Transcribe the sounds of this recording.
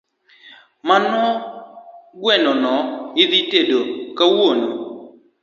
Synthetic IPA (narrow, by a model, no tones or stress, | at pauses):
manɔ | ɡwɛnɔnɔɪðitedokawono